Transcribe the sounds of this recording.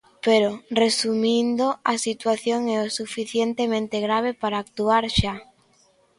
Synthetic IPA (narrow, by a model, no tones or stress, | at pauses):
peɾoresumĩnd̪oasit̪waθjoŋɛosufiθjent̪emẽnt̪eɣɾaβ̞epaɾaːk̚t̪uaɾʃa